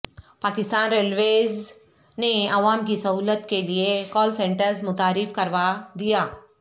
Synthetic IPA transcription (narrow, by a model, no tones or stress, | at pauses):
paːkɪst̪aːnɾelʋez | neɐʋaːmkisəɦuːlət̪keliekɔːlsẽɳʈəɾzmʊt̪aːɾɪfkəɾʋad̪ijaː